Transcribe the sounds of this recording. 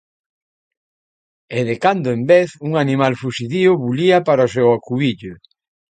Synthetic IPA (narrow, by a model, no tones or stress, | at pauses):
eðekand̪ʊembeθuŋanĩmalfusiðiʊβuliapaɾaosɛwakuβiʎʊ